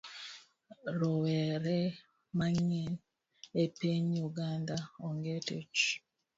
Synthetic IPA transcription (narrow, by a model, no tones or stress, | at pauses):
ɾowɛɾɛ | maŋen | epeɲjuɡandaɔŋɡetḛt͡ʃ